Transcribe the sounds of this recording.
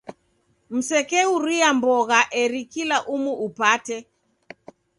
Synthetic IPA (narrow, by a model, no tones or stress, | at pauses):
m̩sɛkɛuɾiambɔɣaʔɛɾikilaʔumuʔupatɛ